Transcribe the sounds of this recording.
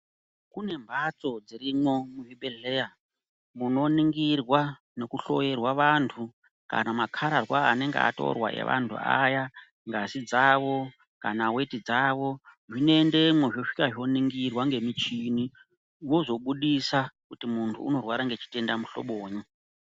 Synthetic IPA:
kune̞mbʱat͡so̞d͡ziɾimwo̞muʐibeɮeja | muno̞niŋɡirwa | ne̞kuɬo̞je̞rwaʋantʰu | ka̰namakʰaɾarwaane̞ŋɡea̰to̞̰rwa̰ʔe̞̰ʋa̰ntʰṵa̰ja | ŋɡazid͡zaʋo̞ | kanawe̞tid͡zaʋo̞ʐinoende̞mweʐoʂi̥kaʐo̞niŋɡirwaŋɡe̞mit͡ʃini | wo̞zo̞ɓuɗisakutimuntʰṵːno̞rwaɾaŋɡe̞t͡ʃi̥te̞ndamuɬo̞̰ɓoːɲo

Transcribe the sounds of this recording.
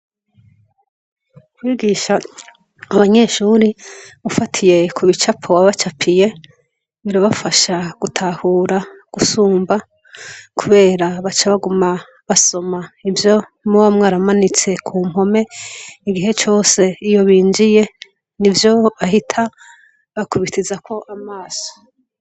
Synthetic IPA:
kwiːɡiʃaː | βaɲe̞ʃuɾiβufatʰije̞kʰuβit͡ʃapʰowaβat͡ʃapʰije̞ | βiɾaβafaʃaɡ̥utʰahuːɾaɡ̥usuːmba | kʰuβe̞ːɾaβat͡ʃaβaɡuma | βaso̞maivjo̞ | muwamŋaːɾamanit͡se̞kʰuːm̥ho̞me̞iɡiɦe̞t͡ʃo̞ːse̞ijo̞βiːnd͡ʒije̞ | nivjo̞βaɦitʰa | βakuβitʰizakʰo̞ʔamaːso̥

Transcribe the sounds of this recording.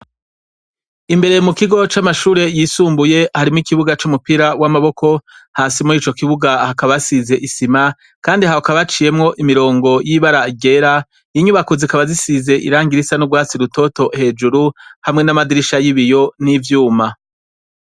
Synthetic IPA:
imbe̞ɾe̞jomukiɡo̞t͡ʃamaʃuːɾe̞jiːsuːmbuje̞haɾimikiβuɡat͡ʃumupiɾawamaβo̞kʰo̞haːsimuɾiːt͡ʃo̞kiβuɡahakaβasize̞ʔisima | kaːndiɦaokaβat͡ʃiːje̞mŋo̞ʔimiɾo̞ːŋɡo̞jiβaɾaiɡe̞ːɾa | jiɲuβakuzikaβazisize̞ʔḭɾaːŋɡiɾisanuɡwaːt͡siɾuto̞to̞he̞ːd͡ʒuɾuhamŋe̞namadiɾiʃajiβijo̞nivjuːma

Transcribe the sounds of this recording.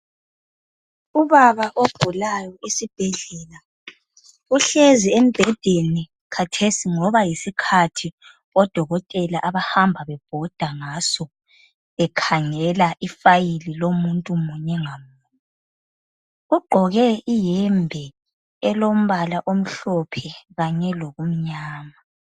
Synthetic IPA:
uβaβaʔob̥ʱulajɔisib̥ʱɛɮɛːla | uɬeziem̩b̥ʱɛd̥ʱeni | kʰatʰesiŋɔβajisikʰatʰi | ɔd̥ʱɔɣɔtʼɛlaʔaβahambʱaβɛb̥ʱɔd̥ʱaŋasɔ | ɛkʰaŋɛlaʔifajililomuntʼumuɲɛŋamu | ɣuɡ͡ǃʱɔɣɛʔijɛmbʱɛ | ɛlom̩βalaʔom̩ɬɔpʰɛɣaɲɛloɣum̩ɲaːma

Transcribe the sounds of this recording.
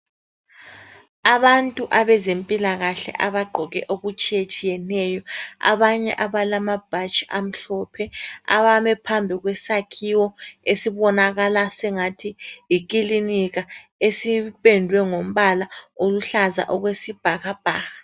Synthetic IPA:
aβantʼuʔaβɛzempʼilaɣaɬɛ̰ʔaβaɡ͡ǃʱɔɣɛ̰ʔoɣut͡ʃʼijet͡ʃʼijɛnɛjɔa̰βaɲɛ̰ʔaβalamab̥ʱat͡ʃʼiam̩ɬɔpʰɛa̰βamɛpʰambʱiɣwɛsakʰiwɔesiβɔnaɣalasɛŋatʰiikʼiliniɣa | esipʼendʱwɛŋom̩βalaoluɬaza̰ʔɔɣwesib̥ʱaɣab̥ʱaːɣa

